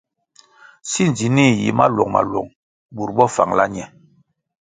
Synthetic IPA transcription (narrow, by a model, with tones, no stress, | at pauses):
si˦n˨d͡zi˨ni˦˨jḭ˨ma̰˦lwɔ˨ŋma̰˨lwɔ˨ŋ | bu˨ɾɓɔ˦fa̰˨ŋla˦ɲɛ˦